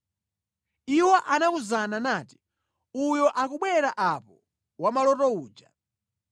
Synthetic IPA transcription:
iwɔʔanauzananaːti̥ | ujɔʔakuɓwɛɾaʔapɔ | wamalɔtɔuːd͡ʒa

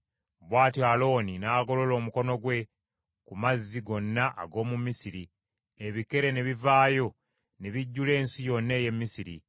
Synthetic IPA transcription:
βwaːtjaːlo̞ːninaːɡo̞lo̞lo̞ːmuko̞no̞ɡwe̞ | kumazːiɡo̞nːaʔa̰ɡo̞ːmumisiɾi | eβike̞ɾe̞neβivaːjo̞ | neβiɟːule̞ːnsijo̞nːe̞ːje̞mːisiɾḭ

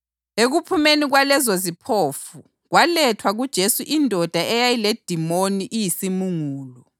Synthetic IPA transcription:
eɣupʰumeniɣwalɛzozipʰoːfu | ɣwalɛtʰwaɣud̥ʒ̥ʱesuʔindʱɔd̥ʱaʔɛjajiled̥ʱimoniʔijisimuŋuːlɔ

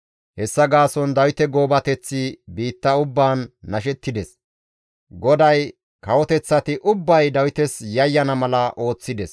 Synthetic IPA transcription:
hɛsːɐɡaːsɔnd̪ɐwɪt̪ɛɡo̞ːbɐt̪ɛt͡sːɪbiːt̪ːɐʊbːaːnːɐʃ̬ɛt̪ːɪd̪ɛs | ɡɔd̪ɐj | kɐwɔt̪ɛt͡sːɐt̪ɪʔʊbːɐjd̪ɐwɪt̪ɛsjɐjːɐnɐmɐlɐʔo̞ːt͡sːɪd̪ɛs

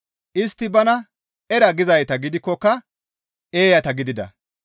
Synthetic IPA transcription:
ʔɪst̪ːɪbɐnɐ | ɛɾɐɡɪzɐjt̪ɐɡɪd̪ɪkːɔkːɐ | e̞ːjɐt̪ɐɡɪd̪ɪd̪ɐ̰

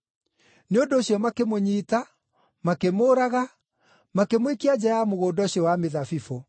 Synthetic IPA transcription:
neondoːɕjɔmakemoɲiːta | makemoːɾaɣa | makemwekiad͡ʑaamoɣoːdɔɕiɔwameðafifo

